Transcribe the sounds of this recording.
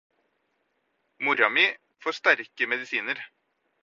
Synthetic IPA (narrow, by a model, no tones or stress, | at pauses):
mʊɾɑmɪ | foːʂt̪æɾkəmɛd̪ɪsiːnəɾ